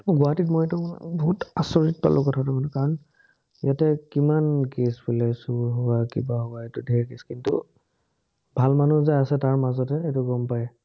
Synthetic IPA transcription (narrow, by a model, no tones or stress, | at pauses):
ɡʊaatitmojetʊbɔɦutasɔɹit̚pa̰lʔʊkɔtʰatʊbanukaɹɔn | jatɛkimankesbulɛsuɦʊwakibaɦɔaetʊdʱɛɹkeskintṵ | bʱalmanuzɛasɛtaɹmazɔtɛetʊɡɔmpajɛ